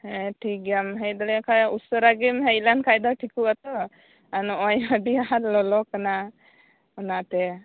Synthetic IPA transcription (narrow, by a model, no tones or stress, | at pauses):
hɛʈʰikamɦɛjd̪ɔlɛkʰausɔɾaɡimɦejlankʰajd̪ɔʈʰikuat̪ɔ | anɔʔɔjɦəɖiaɦat̪lɔlɔkana | ɔnat̪ɛ